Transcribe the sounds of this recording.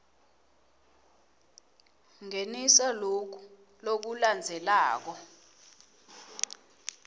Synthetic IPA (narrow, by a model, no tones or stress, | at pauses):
ŋenisalok̬u̥ | lok̬uland͡zʱɛlaːk̬ɔ